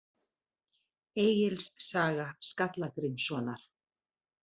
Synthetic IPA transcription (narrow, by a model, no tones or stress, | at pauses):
eːjjɪlssaːɣaskat̪lakɾɪnsɔːnaɾ̥